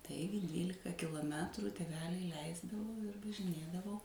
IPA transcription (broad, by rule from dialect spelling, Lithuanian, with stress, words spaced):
ˈtɐɪɡʲɪ ˈdʲʋʲiːlʲɪkɐ kʲɪlˠoːˈmʲæːtrʊ tʲeːˈʋʲæːlʲɛɪ ˈlʲɛɪzdɐʋoː ɪr ʋɐʒʲɪˈnʲeːdɐʋɐʊ